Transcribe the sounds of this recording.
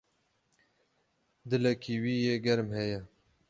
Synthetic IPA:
d̪ɨlɛkʰiːwiːjeːɡɛɾmhɛjɛ

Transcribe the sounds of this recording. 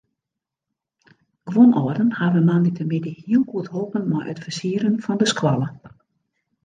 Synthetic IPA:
ɡ̥ʋonʔɔərdənhaʋəmanditʰəmɪdəhiəlˠkuəthoːpənmɔjʔə̰tfərsiːəɾənfɔndəskwalə

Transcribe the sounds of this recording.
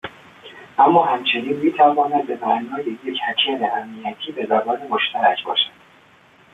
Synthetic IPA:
ʔæmːɒːhæmt͡ʃʰe̞niːnmiːt̪ʰævɒːnæd̪̚be̞mæɾnɒːjeje̞cʰhæt͡ʃʰæɾeʔæmniæt̪ʰiːbe̞zæbɒːne̞moʃt̪ʰæɾæcʰbɒ̰ːʃæd̪̥

